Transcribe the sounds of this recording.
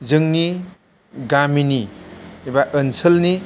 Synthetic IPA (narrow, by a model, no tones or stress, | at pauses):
zɯŋni | ɡaminiibaʔənsəlni